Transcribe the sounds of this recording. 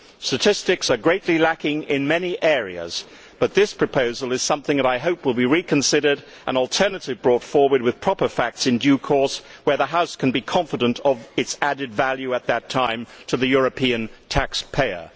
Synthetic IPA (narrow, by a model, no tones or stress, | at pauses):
stɨtʰɪstɨksə˞ɡɹeɪtˡlilækɪ̃ŋɪ̃nmɛniʔɛɹḭɨ̰z̥ | b̥ʌt̪̚ðɪspʰɹ̥ɨpʰoʊzəlˠɨz̥sʌ̃mθɪ̃ŋðɨəɾaɪɦoʊpwəlˠbiɹikʰɨ̃nsɪɾə˞ɾ | ʔə̰̃nl̩ˠtʰɜ˞nɨɾɨvbɹɔtfɔɹwə˞d̚wɨð̥pʰɹ̥ɑpə˞fæk̚tsɨ̃ndjʉkʰɔɹswə˞ðəɦaʊskʰɨ̃n̩bikʰɑ̃ɱfɨɾə̃ntʰʌvɨtsæɾɨdvælˠjʉət̪̚ðɨtʰãɪ̃mtʰɨðɨjʊɹɨpʰĩɨ̃ntʰækspʰeɪə̰˞